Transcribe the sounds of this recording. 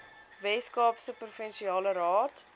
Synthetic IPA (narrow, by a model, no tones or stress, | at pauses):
vɛskɑːpsəprufənʃiɑːlərɑːt